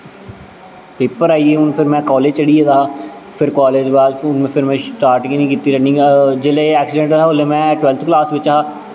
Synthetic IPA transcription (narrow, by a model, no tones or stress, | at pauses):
peːpəɾaːiːeːʊnpʰɪɾmɛ̃ːkɔːleːd͡ʒt͡ʃəɽiːeːd̪aː | pʰɪɾkaːleːd͡ʒbaːlʊnmɛ̃ːpʰɪɾmɛ̃ːsʈaːɾʈkiːnĩːkiːt̪iːɾəknĩːd͡ʒeːleːɛːksɪɖɛ̃ɳʈːaːoːleːmɛ̃ːʈwɛːlt̪ʰklaːsʋɪt͡ʃːaː